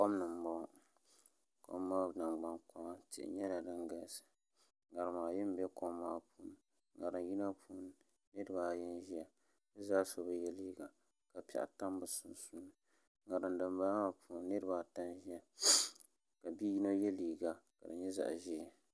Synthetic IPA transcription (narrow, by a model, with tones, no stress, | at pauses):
ko˦m˦nɨ˨m̩˨mɔ˦ | ko̰˦mːa˦na˨ŋɡ͡ba˦nkɔ˦ma˦tɪ̰˨ʔɪ̰˨ɲɛ˦la˨dɨ˦ŋɡa˦˨sɨ̥˨ | ɡa˨ɾɨ˨maː˨jɪ˦m˦bɛ˦ko˦mːaː˦puː˦n˦ | ɡa˨ɾɨ˨nji˦na˦pʰuː˦n | nɨ˦dɨ˨baː˨jɛ˦nʒi˦ja˨ | bɨ˦zaː˦so˨ba˦jɛ˦liː˦ɡa˨ | ka˨pɛ̰˨ʔa̰˨ta˦m˦bɨ˦sʊ˦n˦suː˦nɨ˨ | ŋɡa˨ɾɨ˨ndɨ˨mba˦a˨pʰu˨˦nː˦ɨ˦ɾɨ˦˨baː˨ta˦nʒi˦a˨ | ka˨bi˦ji˦no˦jɛ˦liː˨ɡa˨ka̰˨dɨ̰˨ɲɛ˦za̰˨ʔʒi˦ɛ˨